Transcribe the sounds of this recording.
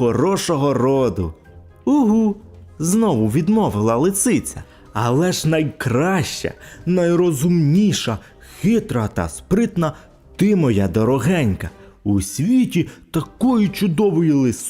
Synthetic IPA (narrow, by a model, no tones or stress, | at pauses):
ɔɾɔʃɔɦɔɾɔd̪ʊ | uɦuznɔʋʊʋʲid̪mɔʋɪlˠɐlˠɪsɪt͡sʲɐ̰ | ɐlˠɛʒnɐjkɾɑʃt͡ʃɐ̰nɐjɾɔzʊmnʲiʃɐ | xɪt̪ɾɐt̪ɐ̰spɾɪt̪nɐ | t̪ɪmɔjad̪ɔɾɔɦɛnʲkɐ | usʲʋʲitʲit̪ɐkɔjʊt͡ʃʊd̪ɔʋɔjilˠɪs